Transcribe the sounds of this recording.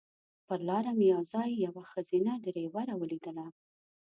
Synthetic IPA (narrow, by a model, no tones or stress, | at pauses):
pəɾlɑɾamjɑwzɑjːawaxəz̥inaɖeɾewaɾawəlid̪əla